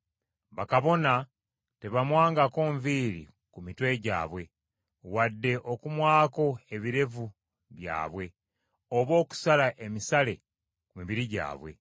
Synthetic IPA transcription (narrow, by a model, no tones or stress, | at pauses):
βakaβo̞na | te̞βamwaːŋɡako̞ːɱviːɾḭ | kumitwe̞ɟa̰ːβwe̞ | wadːe̞ʔo̞kumwaːko̞e̞βiɾe̞vu | βja̰ːβwe̞ | oβo̞ːku̥salaʔe̞misale̞ | kumiβiɾiɟa̰ːβwe̞̰